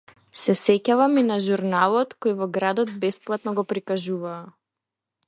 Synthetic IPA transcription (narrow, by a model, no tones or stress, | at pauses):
sɛsɛcavaminaʒuɾnalˠɔt̪kɔjvɔɡɾad̪ɔd̪̚bɛsplˠat̪nɔɡɔpɾikaʒuvaː